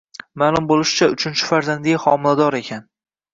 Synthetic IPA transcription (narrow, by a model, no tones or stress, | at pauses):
maːlˠʊmbolˠɪʃɪt͡ʃʰaʊt͡ʃʰɪnt͡ʃʰɪ̥faɾzand̪ɪɡʲaχɒmɪlad̪ɒɾe̞kʲʰan